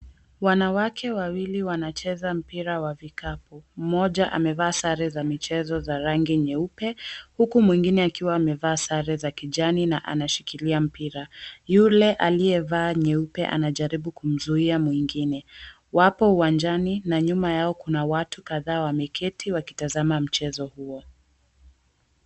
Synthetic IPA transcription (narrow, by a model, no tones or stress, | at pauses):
wanawakʰɛwawiliwanat͡ʃɛzam̩piɾawavikapɔm̩mɔʄaʔa̰mɛvaːsaɾɛzamit͡ʃɛzɔzaɾaŋɡiɲɛupɛhukumwiŋɡinɛakiwaːmɛvaːsaɾɛzakiʄaninaʔa̰naʃi̥kiliam̩piɾajulɛʔaliɛvaːɲɛupɛʔa̰naʄaɾiɓukum̩zuiamwiŋɡinɛ | wapɔuwand͡ʒaninaɲumajaɔkunawatukaðaːwamɛkʰɛtʰiwaki̥tazamam̩t͡ʃɛzɔhuɔ